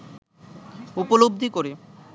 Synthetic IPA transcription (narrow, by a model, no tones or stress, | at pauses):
upolob̚d̪ʱikoɾe